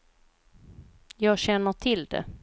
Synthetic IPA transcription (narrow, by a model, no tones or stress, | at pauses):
jɑːɡɕɛnːəʈʰɪld̪ɛ̰